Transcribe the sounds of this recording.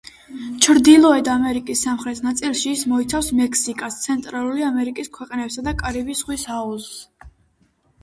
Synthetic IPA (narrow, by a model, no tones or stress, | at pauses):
t͡ʃʰɾd̪ilˠɔɛd̪amɛɾikʼisːamχɾɛt̪ʰnat̪sʼilˠʃiːsmɔit̪sʰafsmɛkʰsikʼast̪sʰɛnt̪ʼɾalˠuliamɛɾikʼiskʰwɛqʼnɛpsad̪akʼaɾibisχwisaɔsː